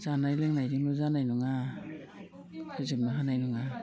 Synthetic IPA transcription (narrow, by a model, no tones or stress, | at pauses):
z̥anajleŋnajdimɯzanajnuŋa | kʰɯzipnaɦanajnuŋa